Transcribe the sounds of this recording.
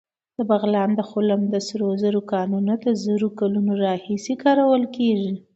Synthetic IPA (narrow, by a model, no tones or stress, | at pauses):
d̪̥əbaɣlɑnd̪əxʊlamd̪əsɾozəɾokɑnunod̪əzəɾokalunoɾɑhisekɑɾawəlkeʐi